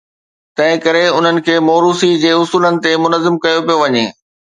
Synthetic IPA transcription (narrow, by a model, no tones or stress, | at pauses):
t̪ɐ̃ɦɪ̃kɐɾeʊn̤ənɪ̆kʰeːmoːɾuːsid͡ʑeːʊsuːlənɪ̆t̪emʊnəzːɪmkɐjopijoʋɐɲeː